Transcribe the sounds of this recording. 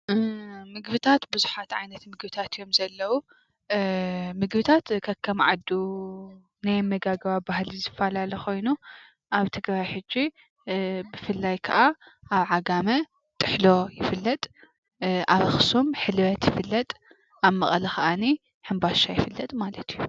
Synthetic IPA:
mɨɡβɨt̪ʰat̪bɨzuħat̪ʕajnɐt̪mɨɡbɨt̪ʰat̪jo̞mzɐlːɐwu | mɨɡbɨt̪ʰat̪kʰɐkʰːɐmʕad̪u | najmɐɡaɡɐβabahlizɨfːalalɐkʰo̞jnu | ʔaβt̪ʰɨɡɾajħɨd͡ʒːi | bɨfɨlːajkʰɐʔaaβʕaɡamɐ | t̪ʼːɨħlo̞jɪfɨlːɐt̪ʼ | ʔaβɨxsumħɨlβɐt̪jɪfɨlːɐt̪ʼ | ʔaβmɐχʼɐlɐxɐʔani | ħɨmbaʃajɪfɨlːɐt̪ʼmalɐt̪ʰiju

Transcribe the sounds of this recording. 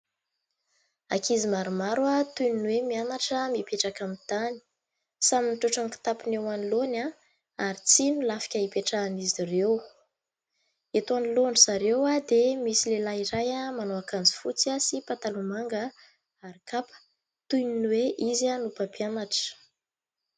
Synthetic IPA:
akizimaɾumaɾuat̪ujninwemianaʈ͡ʂəmipeʈ͡ʂakamit̪ani̥ | saminiʈ͡ʂuʈ͡ʂaŋki̥t̪apinewanilona | aɾit͡sinilafi̥kʲəipeʈ͡ʂanizirew | et̪uaniloɳɖ͡ʐizaɾewad̪emisilelaiɾajəmanoakand͡zi̥fut͡sasipat̪alumaŋɡə | aɾikapə̥ | t̪ujninweʔizanupapianaʈ͡ʂə̥

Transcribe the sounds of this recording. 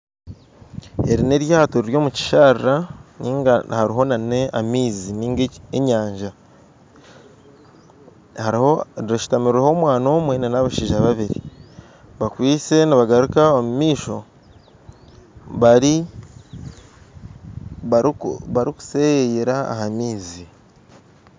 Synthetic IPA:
e̞ɾine̞ɾjaːtoɾiɾjo̞ːmuci̥ʃaɾiɾaniːŋɡahaɾiɦo̞nane̞ʔamiːziniːŋɡeeɲaːɲʒa | haɾhoɾiɾaʃu̥tamiɾiɾeho̞mwaːno̞ːmwe̞nenaβaʃiːʒaβaβiɾḭ | βakwiːt͡se̞niβaɡaɾukaomumiːʃo̞ | βaɾi | βaɾiku̥sejejeɾa̰ːɦamiːzi

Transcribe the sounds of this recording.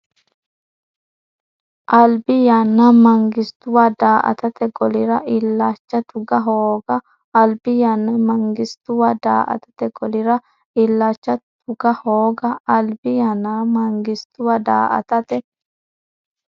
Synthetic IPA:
ʔɐlbɪjanːamɐŋɡɪst̪ʊwad̪aːʔɐ̰t̪ɐt̪ɛɡɔlɪɾɐʔɪlːaːt͡ʃːɐt̪ʊɡɐɦoːɡɐː | lbɪjanːɐmɐŋɡɪst̪ʊwad̪a̰ːʔɐ̰t̪ɐ̥t̪ɛɡɔlɪɾɐ | ɪlːaːt͡ʃːɐt̪ʊɡɐhoːɡɐːlbɪjanːaːmɐŋɡɪst̪ʊwɐd̪a̰ːʔɐ̰t̪ɐt̪ɛ

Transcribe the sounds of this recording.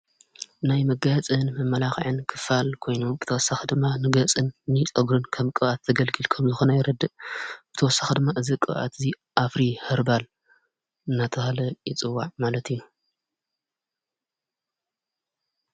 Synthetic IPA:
najmɐɡat͡sʼɨnmɐmːɐlaxʕɨnkʰɨ̥falkʰo̞jnombɨt̪ʰɐwɔsaxid̪ɨmːanɨɡɐt͡sʼɨnːɨt͡sʼɐɡɾɨnkʰɐmkʼɨβat̪ʰːɐɡɐlɡɨlkʰɐmzɨxo̞nɐjɪɾɐd̪ːɨʔb̥ɨt̪ʰɐwɔsːḁxid̪ɨmːaʔɨzikʼɨ̰βʔa̰t̪ʰɨzi | ʔafɾihɨɾbal | ɨnːat̪ʰɐhalɐjɪt͡sʼɨwːaʕmalɐt̪ʰɨjːu

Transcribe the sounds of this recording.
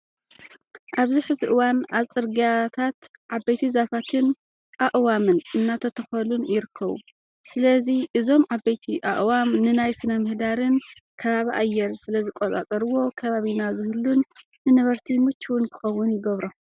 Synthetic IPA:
ʔaβziħɨziʔɨwanat͡sʼɨɾɡat̪ʰat̪ʕabejt̪ʰizafat̪ʰɨn | ʔaʔwamɨnɨnːat̪ʰɐt̪ʰɐxɐlunjɪɾɨkʰːɐβṵ | sɨlɐziʔɨzo̞mʕabejt̪ʰiʔa̰ʔwamnɨnajsɨnɐmɨhd̪aɾɨn | kʰɐβaβiʔajːɛɾsɨlɐzɨkʼolʼa̰t͡sʼɐɾɨwo̞kʰɐβaβinazɨhɨlːunː | ɨnɐβɐɾt̪ʰimɨt͡ʃːuwʊnkʰɨ̥xɐwːʊnjɪɡɐβɾo

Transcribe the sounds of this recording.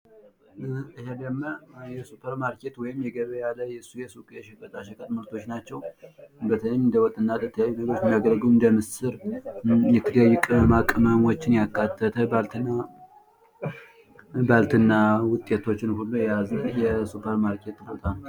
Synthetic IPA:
ɨhed̪əmːəjɛsupʰəɾmaɾkʰe̞t̪wɔjɪmjɛɡəβəjalːəjɛsːujɛsukʼʃɛkʼət̪ʼaʃɛkʼət̪ʼməlt̪ʰo̞t͡ʃːnat͡ʃːɛwbət̪ʰəlmːnd̪əwɔt̪ʼːɨnːat̪ət̪ʰːəjajːunəɡɾot͡ʃːmiaɡəlɡuɨnd̪əmɨsɨɾ | jɛt̪ʰːɨd̪əjːɪkʼmakʼməmwo̞t͡ʃːɪnjakːat̪ʰːət̪ʰəalt̪na | balt̪ʰɨnːawʊt̪ʼet̪ʰo̞t͡ʃːɪnhulːojɛjazjɛsupʰəɾmaɾkʰe̞t̪ːbot̪ʼal

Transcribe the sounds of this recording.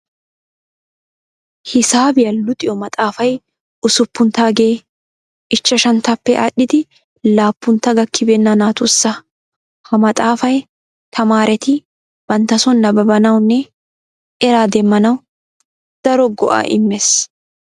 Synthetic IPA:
hɪsaːbɪjɐlʊt̪ʼɪjɔmɐt̪ʼaːfɐj | ʊsʊpːʊnt̪aːɡeː | ʔɪt͡ʃːɐʃɐnt̪ɐpːɛʔɐɗːɪd̪ɪ | laːpːʊnt̪ːɐɡɐkːɪbɛnːɐnaːt̪ʊsːɐ | hɐmɐt̪ʼaːfɐj | t̪ʰɐmaːɾɛt̪ɪ | b̥ɐnt̪ːɐsɔnːɐbɐbɐnɐwnːɛ | ɛɾaːd̪ɛmːɐnɐw | d̪̥ɐɾɔɡɔ̰ʔa̰ːʔɪ̰mːɛs

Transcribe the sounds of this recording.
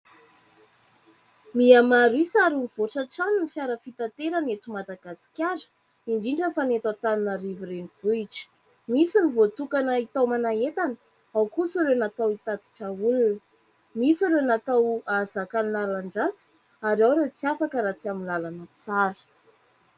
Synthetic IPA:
miamaɾisaɾimiv̥oʈ͡ʂaʈ͡ʂaninifjaɾəfit̪at̪eɾanet̪umad̪aɡ̥asi̥kʲaɾə̥ | iɳɖ͡ʐiɳɖ͡ʐəfanet̪at̪aninaɾiviɾeniv̥uiʈ͡ʂə̥ | misinivot̪ukanəit̪awmanaet̪anə | awkusiɾewnat̪awit̪ad̪i̥ʈ͡ʂəulunə | misiɾenat̪awazakaninalaɳɖ͡ʐat͡si̥ | aɾawɾet͡siafakəɾat͡siaminlalanət͡saɾə̥

